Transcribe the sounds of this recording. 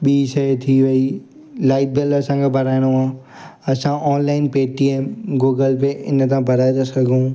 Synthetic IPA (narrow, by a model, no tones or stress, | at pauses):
ɓiːsɐet̪ʰiʋɐi | laːɪʈ̚belɐsãɡebʱɐɾaːɪɽ̃oãː | ɐsãʔɔːnlaːɪnpeːʈieːmɡoːɡəlpeʔɪnə̆t̪ãbʱɐɾaːjd̪əskɐɡʱũː